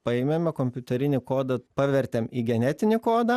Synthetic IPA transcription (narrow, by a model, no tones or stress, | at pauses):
pɐɪmʲemʲɛkoːmʲpʲʊt̪ʲɛɾʲɪnʲɪkoːd̪ɐpɑːʋʲɛɾʲt̪ʲeːmiːɡʲɛnʲɛt̪ʲɪnʲɪkoːd̪ɐ